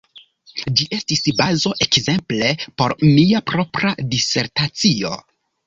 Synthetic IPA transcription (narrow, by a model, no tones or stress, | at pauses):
d͡ʒiʔe̞stisbazo̞ʔe̞kze̞mple̞po̞ɾmiapɾo̞pɾadise̞ɾtat͡sio̞̰